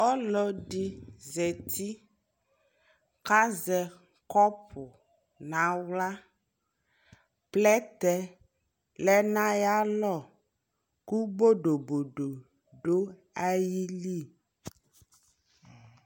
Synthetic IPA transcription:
ɔ˦lɔ˦ɖi˦zɛ˨t̪ʰi˦ | ka˦zɛ˨ | kɔ˦pʰo˨ | nã˨wla˦ | plɛ˦t̪ɛ˦ | lɛ˦nã˦ja˦lɔ˦˨ | ku˦bo˦ɖo˨bo˨ɖo˨ | ɖo˦ | a˦ji˦li˦˨

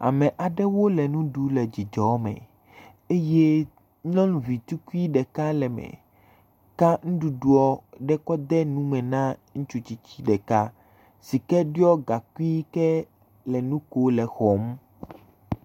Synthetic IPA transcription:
a̰˨mɛ̃˨ʔa˨ɖɛ˦wo˦lɛ˨nũ˦ɖu˦lɛ˨d͡ʑi˨d͡ʒɔ˨˦mɛ̰̃˨ | e˦je˦ | ɲɔ̃˦nvi˨t̪u˦ku˦i˦ɖɛ˨ka˦lɛ˨mɛ̰̃˨ | ka˦ŋũ˦ɖu˨ɖu˦ɔ˦ɖɛ˦kɔ˦d̪ɛ˦nũ˦mɛ̃˨nã˦ŋũ˦t͡ʃu˦t͡ɕi˦t͡ɕi˦ɖɛ˨ka˦ | si˨kɛ˦ɖi˦ɔ˦ɡa˨ku˦i˦kɛ˦ | lɛ˨nũ˦ko˦lɛ˨xɔ˨m˦

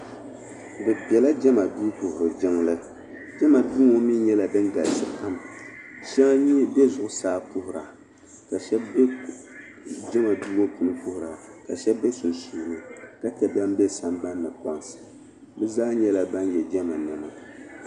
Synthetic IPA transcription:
bɨ˨pɛ˨la˦d͡ʒɛ˦ma˨duː˦pʊ˨hʊ˨ɾɨ˨d͡ʒɪ˦ŋlɨ˦ | d͡ʒɛ˦ma˨du˦ŋo˦mi˦ɲɛ˦la˨dɨ˦ŋɡa˨lsɨ˨ka˦mʃɛ˦ŋ˦ɲi˦bɛ˦zʊ˨ʔʊ˦saː˦pʊ˦hʊ˨ɾa̰˨ | ka˨ʃɛ˦b | d͡ʒɛ˦ma˨duː˦wo˦ku˨nɨ˦kʊ˦hʊ˨ɾa˨ka˨ʃɛ˦bɛ˦sʊ˨nsu˨lɨ˦ka˦tɛ˨ba˦m˦bɛ˦sa˦mba˦nːɨ˨k͡pa˦ŋsɨ̥˨ | bɨ˦zaː˦ɲɛ˦la˨ba˦njɛ˨d͡ʒɛ˦ma˨nɨ˨mɨ˨

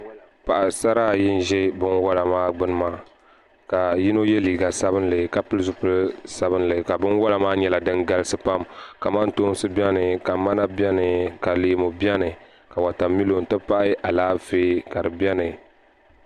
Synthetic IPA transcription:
pa˨ʔa˨sa˦ɾaː˦jɪ˦n˦ʒɛ˦bɨ˦nwa˦la˨maː˦ɡ͡bɨ˦nɨ˦maː˦ | ka˨ji˦no˦jɛ˦liː˨ɡa˨sa˦βɨ˦n˦lɨ˨ka˨pɨ˦lzʊ˦pɨ˦lsa˦βɨ˦n˦lɨ˨ka˨bɨ˦nwa˦la˨maː˦ɲɛ˨la˨dɨ˦ŋɡa˦lɨ˦sɨ˦pa˦mka˨ma˦n˦to˦n˦sɨ˦bɛ˦nɨ˨ka˨ma˦na˦bʲɛ˦nɨ˨ka˨leː˨˦mo˨bjɛ˦nɨ˨ | ka˨wa˨ta˨mːi˦lo˨n̩˨tɨ˦pa˦ʔɨ˦ʔa˨laː˦veː˦ka˨dɨ˨bɛ˦nɨ˨

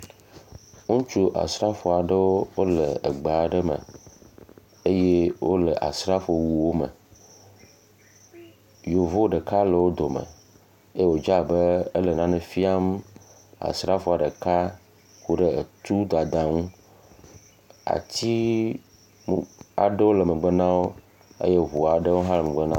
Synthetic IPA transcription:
ŋũ˦t͡ʃu˦ʔa̰˨sɾa˦fɔ˨a˨ɖə˦wo˦wo˦lə˨ə˨ɡ͡bə˨a˨ɖə˦mə̰̃˨ | e˦je˦wo˦lə˨ʔa̰˨sɾa˦fo˨wu˨wo˦mə̰˨ | jo˨vo˦ɖə˨ka˦lə˨wo˦d̪o˨mə̰̃˨ | e˦wo˨d͡ʒa˦bə˦ə˦lə˨nã˦nẽ˨fi˦a˦m | a̰˨sɾa˦fo˦˨a˨ɖə˨ka˦ | ku˦ɖə˦ə˨t̪u˦d̪a˨d̪a˨ŋũ˦ | a̰˨t̪i˦ | m˨a̰˨ɖə˦wo˦lə˨mə̃˨ɡ͡bə˦nã˦wo˦ | ə̰˦je˦ɦu˨a˨ɖə˦wo˦ɦa˦lm˨ɡ͡bə˦nã˦

